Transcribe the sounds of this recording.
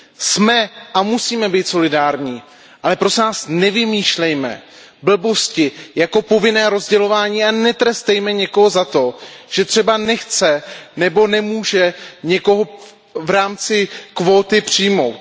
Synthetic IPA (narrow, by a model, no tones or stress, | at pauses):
smɛʔamusiːmɛbiːt̪so̞lɪdaːɾɲiː | ʔalɛpɾosnaːsnɛvɪmiːʃlɛjmɛ̰ | bl̩bo̞scɪjako̞po̞vɪnɛːɾo̞zɟɛlo̞vaːɲiːanɛt̪ɾɛst̪ɛjmɛɲɛko̞ɦo̞zat̪o̞ʒ̥ɛt̪r̝̥ɛbanɛxt͡sɛnɛbo̞nɛmuːʒɛɲɛko̞ɦo̞ | vɾaːmt͡sɪkvoːt̪ɪpr̝̥ɪjmo̞̰wt̪